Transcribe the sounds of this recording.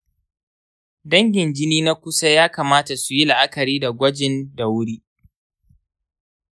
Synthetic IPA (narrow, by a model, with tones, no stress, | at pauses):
dɐ˦ŋɡʲɪ˨nd͡ʒɪ˦niː˦na˦kʷʊ˦sa˦jaː˦kaː˨maː˦ta˨su˨ji˦la˨ʔa˦kɐ˨ɾiː˦da˨ɡʷɐ˦d͡ʒɪ˦ndɐ˨wɽiː˦